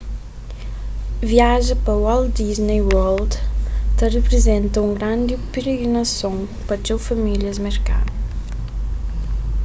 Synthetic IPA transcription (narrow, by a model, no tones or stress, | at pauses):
viaʒəpawɔld̪iznejwɔld̪t̪arepɾezɛ̃nt̪əuŋɡɾand̪ipeɾeɡɾinasõ | pad͡ʒewfamiljəzmɛrka̰n